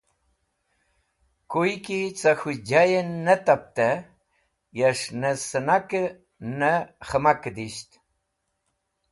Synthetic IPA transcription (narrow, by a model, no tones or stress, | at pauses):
kujkit͡saxud͡ʒajenːɛt̪ap̚t̪ɛ | jaʂnəsənakə | nɛχəmakd̪iʃt̪